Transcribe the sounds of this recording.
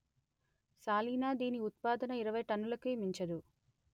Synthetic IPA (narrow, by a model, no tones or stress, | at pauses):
saːliːnaːd̪iːniut̪̚paːd̪ɐnɐiɾɐʋɐjʈɐnːulɐkemiɲt͡ʃɐd̪u